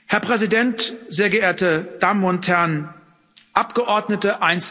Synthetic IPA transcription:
hɛɐpʁ̥ɛzidɛntz̥eːɐɡəeːɐtəd̥amʊnthɛɐn | ʔapɡ̥əʔɔɐdnətəʔaɪnt͡s

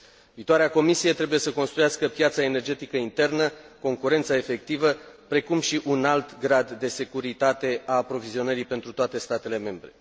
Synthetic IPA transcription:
viːt̪oaɾeako̞misije̞t̪ɾe̞bujesəko̞nst̪ɾujaskəpjat̪saene̞rd͡ʒe̞t̪ikəint̪e̞rnəko̞ŋkuɾe̞nt̪sae̞fe̞k̚t̪ivəpɾe̞kumʃiʔunalt̪ɡɾad̪ːe̞se̞kuɾit̪at̪e̞ʔaːpɾo̞vizio̞nəɾipe̞nt̪ɾut̪oat̪e̞st̪at̪e̞le̞me̞mbɾe̞̰

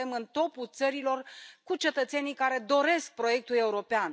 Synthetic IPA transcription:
emɨnt̪o̞put̪səɾilo̞rkut͡ʃe̞t̪ət̪se̞nijkaɾe̞d̪o̞ɾe̞sk̚pɾo̞je̞k̚t̪ule̞uɾo̞pean

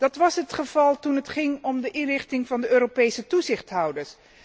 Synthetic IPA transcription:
d̥ɑtʋɑsɦətχəv̥ɑlˠtunətχɪŋɔmdəʔɪnrɪχtɪŋvɑndəøːropejsətuzɪχtɦʌwdəɹs

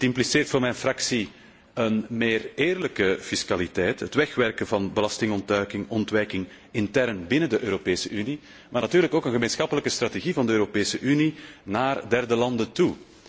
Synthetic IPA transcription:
tɪmpliseːrtfoːrmɛjnfrɑksi | ənmeːreːrləkəfɪskalitɛjtɦətʋɛxʋɛrkənvɑnbəlɑstɪŋɔntœːkɪŋɔntʋɛjkɪŋ | ɪntɛrnbɪnəndəʔøːɾopeːsəʔyni | maːrnatyːrləkoːkənɣəmeːnsxɑpələkəst̪rateɣivɑndəøːɾopeːsəʔyninaːrdɛrdəlɑndəntu

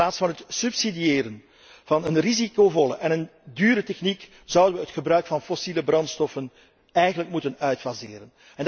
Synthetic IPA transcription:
aːtsfɑnɦətsypsidieːɾən | v̥ɑnənrizikoːvɔləʔɛnəndyːɾətɛxnik | z̥ʌwdənʋəətxəbɾœɥkfɑnfɔsiləbrɑntstɔfən | ɛjɣənləkmutənœɥtfazɪ̰ːɾən | ɛnd

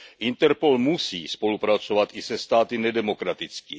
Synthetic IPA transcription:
ʔɪnt̪ɛɾpo̞lmusiːspo̞lupɾat͡so̞vat̪ʔɪsɛst̪aːt̪ɪnɛdɛmo̞kɾat̪ɪt͡ski

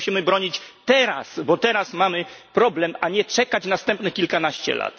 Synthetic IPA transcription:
ɕimɘbɾɔɲit͡ɕt̪ɛɾa̰sbɔt̪ɛɾasmamɘpɾɔblɛmʔaɲɛt͡ʂɛkat͡ɕnast̪ɛmpnɘxkʲilkanaɕt͡ɕɛ̰la̰t̪

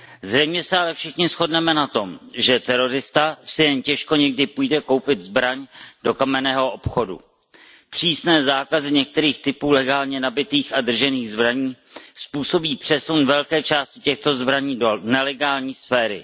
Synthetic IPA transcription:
zrɛjmɲɛsɛalɛfʃɪxɲɪsxo̞dnɛmɛnat̪o̞mʒɛt̪ɛɾo̞ɾɪst̪asɪjɛncɛʃko̞ɲɛɡdɪpujdɛko̞wpɪt̪zbɾaɲdo̞kamɛnɛːɦo̞ʔo̞pxo̞dṵ | pr̝̥iːsnɛːzaːkazɪɲɛk̚t̪ɛɾiːxt̪ɪpuːlɛɡaːlɲɛnabɪt̪iːxadr̩ʒɛniːɣzbɾaɲiː | spuːso̞biːpr̝̥ɛsunvɛlkɛːt͡ʃaːscɪcɛxt̪o̞zbɾaɲiːnɛlɛɡaːlɲiːsfɛːɾɪ̰

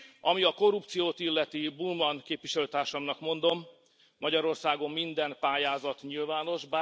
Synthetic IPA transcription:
ɒmiɒko̞rupt̪sijoːt̪ilːɛt̪ibulmɒnkeːpʋiʃɛløːt̪aːrʃɒmnɒkmo̞nd̪o̞mː | ɒɟɒɾo̞rsaːɡo̞mːind̪ɛmpaːjaːzɒt̪ɲilvaːno̞ʒba

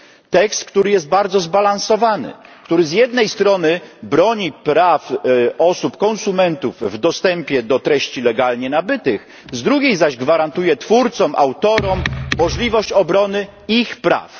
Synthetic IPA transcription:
t̪ɛkst̪kt̪uɾɘjɛst̪̚baɾd̪zɔzbalañsɔvanɘ̰kt̪uɾɘzʲjɛd̪nɛjst̪ɾɔnɘbɾɔɲipɾafɔsupkɔñsumɛnt̪uvvd̪ɔst̪ɛmpʲjɛd̪ɔt̪ɾɛɕt͡ɕilɛɡalɲɛnabɘt̪ɘx | zd̪ɾuɡʲejzaʑɡvaɾant̪ujɛt̪fuɾt̪sɔmʔa̰wt̪ɔɾɔmmɔʐlʲivɔɕt͡ɕɔbɾɔnɘ | ixpɾa̰f

